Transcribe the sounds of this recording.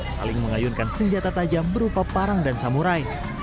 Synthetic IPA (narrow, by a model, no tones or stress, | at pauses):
sa̰lɪŋməŋajunkansəɲd͡ʒat̪at̪ad͡ʒambəɾupapaɾaŋdansamuɾaj